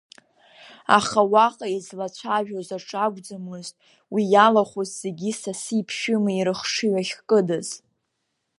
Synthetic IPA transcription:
a̰χawaqʼaizlat͡ɕʷʰaʒᶣozaʈ͡ʂʼaɡʷd͡zamɨztʼ | wijalaχʷozz̥e̞ɡʲisasipʰʃɪmɨiɾɨχʂɨɥaχʲkʼɨdɨz̥

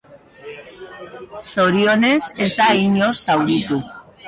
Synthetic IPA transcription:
soɾjonesezd̪aiɲosawɾit̪u

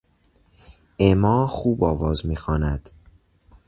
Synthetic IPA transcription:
emɒːxuːbɒːvɒːzmiːxɒːnæd̪̥

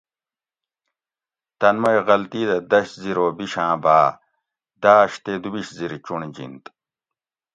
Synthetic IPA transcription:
t̪ɐnmɐjɣɐlt̪iːd̪ɐd̪ɐɕziɾoːbiɕãːbaː | d̪aːɕt̪ed̪ubiɕziɾt͡ɕuɳd͡ʑḭnt̪

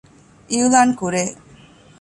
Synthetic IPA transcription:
iulaːnkuɾeː

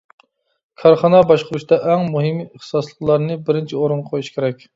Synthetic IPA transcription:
kʰɑɾχɑnɑbɑʃqʰʊɾuʃt̪ɑʔɛŋmuɦɨməχsɑslˠəqlˠɑɾnɨbɪɾɪnt͡ʃʰioɾɨnʁɑqʰojuʃkʲʰeɾɛkʲ

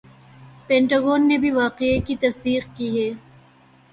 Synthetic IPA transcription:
pẽːɳʈaːɡoːnːebʱiʋaːqekit̪ɐsd̪iːqkiɦɛː

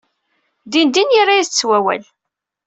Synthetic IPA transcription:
d̪ind̪iniɾajiθt͡sːwæwæ̰l

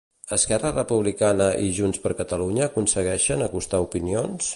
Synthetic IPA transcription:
əskɛrərəpuβ̞likanəʔiʒunspəɾkət̪əluɲəːkunsəɣɛʃənəkust̪aupinions

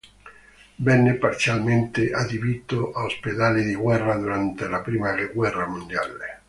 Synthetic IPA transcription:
vɛnːepaɾt̪sjalment̪eʔad̪ivit̪oʔaosped̪alid̪iɡwɛrːad̪uɾant̪elapɾiːmaɡwɛrːamund̪ja̰l

